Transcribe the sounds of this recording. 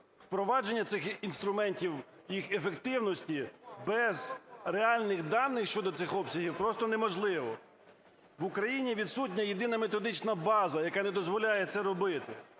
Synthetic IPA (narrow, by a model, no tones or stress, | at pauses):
wpɾɔʋɑd͡ʒenʲːɐt̪sɪxinst̪ɾʊmɛnʲtʲiw | jixefekt̪ɪwnɔsʲtʲibɛzreɑlʲnɪxd̪ɑnːɪxʃt͡ʃɔd̪ɔt̪sɪxɔpsʲɐɦiwpɾɔst̪ɔnemɔʒlˠɪʋɔ | ʋʊkɾɐjinʲiʋʲid̪sutʲnʲɐjed̪ɪnɐmet̪ɔd̪ɪt͡ʃnɐbɑzɐjɐkɑnɛd̪ɔzʋɔlʲajɛt̪sɛɾɔbɪt̪ɪ